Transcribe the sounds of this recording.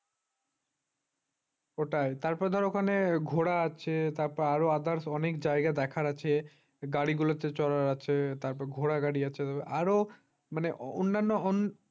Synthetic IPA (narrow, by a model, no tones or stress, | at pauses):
oʈajt̪aɾpɔɾed̪ʱɔɾokʰaneɡʱoɽaat͡ɕʰet̪aɾpɔɾaɾoad̪aɾsɔnekd͡ʑajɡad̪ɛkʰaɾat͡ɕʰe | ɡaɽiɡulot̪et͡ɕɔɾaɾat͡ɕʰet̪aɾpɔɾeɡʱoɽaɡaɽiat͡ɕʰet̪ɔbeaɾo | maneʔo̰nːanːoon